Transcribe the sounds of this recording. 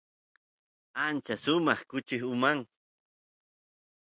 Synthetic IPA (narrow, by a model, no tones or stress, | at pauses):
ant͡ʃasʊmɑχkʊt͡ʃɪχʊmaŋ